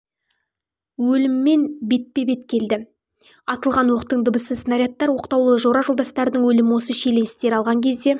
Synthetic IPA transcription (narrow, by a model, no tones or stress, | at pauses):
wɵlɪmːe̞nbe̞t̪̚pe̞be̞t̪kʲʰe̞ld̪ɪ | ɑt̪əlˠʁɑnwo̞qt̪əɴd̪əbəsəsənaɾʲjat̪ːɑɾwo̞qt̪ɑwlˠəʒo̞ɾɑʒo̞lˠd̪ɑst̪ɑɾd̪əɴwɵlɪmɪwo̞səʃe̞le̞nɪst̪e̞ɾɑlˠʁɑŋkʲʰe̞zd̪e̞